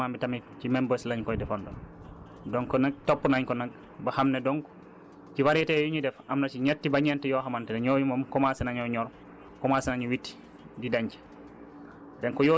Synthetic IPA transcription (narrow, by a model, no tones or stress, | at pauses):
aːmbitamicimɛmbəslaɲkɔjdɛfɔndɔn | dɔŋkɔnak̚topːunaɲkɔnak̚ | bahamnɛdɔŋk | ciwaɾjɛtɛjuɲidɛfʔamnat͡ʃiɲɛtːibaɲɛntɛjɔɦamantɛɛɲɔjumomkɔmasɛnaɲɔɲɔɾ | kɔmasɛnaɲuwitːi̥ | didaɲcɛ̥ | dɛnkɔjɔ